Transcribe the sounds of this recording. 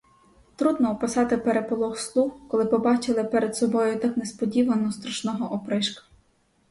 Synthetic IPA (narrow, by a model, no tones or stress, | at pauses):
t̪ɾud̪nɔɔpɪsɑt̪ɪpeɾepɔlˠɔxslˠuxkɔlˠɪpɔbɑt͡ʃɪlˠɪpɛɾed̪sɔbɔjʊt̪ɑknɛspɔdʲiʋɐnɔst̪ɾɐʃnɔɦɔʔɔpɾɪʃkɐ̥